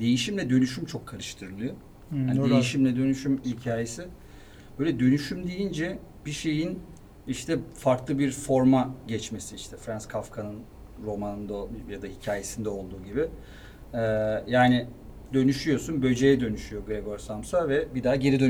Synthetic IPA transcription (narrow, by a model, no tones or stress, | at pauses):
d̪̥e̞jiʃimlʲɛd̪ø̞nyʃymt͡ʃʰo̞kʰːaɾɯʃt̪ʰɯɾɯlˠɯjo | aːndejiʃimlʲɛd̪ø̞nyʃymilʲcʰaːjesi | b̥øːlʲɛd̪ø̞nyʃymd̪ejind͡ʒɛ | biʃe̞jin | iʃt̪ʰɛfaɾklˠɯbiɾfo̞ɾmaɟɛt͡ʃme̞siiʃt̪ʰɛfɾanskʰafkʰanɯn | ɾo̞manɯnd̪ajad̪ahicʰaːje̞sind̪ɛo̞lˠd̪uːɟibɪ | ɛjaːnɪ | d̪ø̞nyʃyjo̞sunbø̞d͡ʒe̞jɛd̪ø̞nyʃyjo̞ɡɾeɡo̞ɾsamsavɛbid̪aɟe̞ɾid̪øn